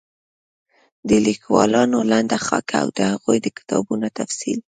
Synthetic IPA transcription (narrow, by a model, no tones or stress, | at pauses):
d̪əlikwɑ̰lɑnoland̪axɑ̰kʰa̰wd̪əhaɣujd̪əkɪ̥t̪ʰɑbunot̪afsḭl